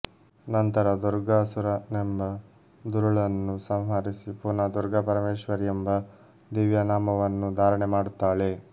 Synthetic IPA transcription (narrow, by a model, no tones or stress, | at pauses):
nɐnt̪ɐɾɐd̪uɾɡaːsuɾɐnembɐ | d̪uɾuɭɐnːusɐmɦɐɾisipuːnaːd̪uɾɡɐpɐɾɐmeːʃʋɐɾiembɐ | d̪iːʋjɐnaːmɐʋɐnːud̪ʱaːɾɐɳemaːɽut̪ːaːɭe̞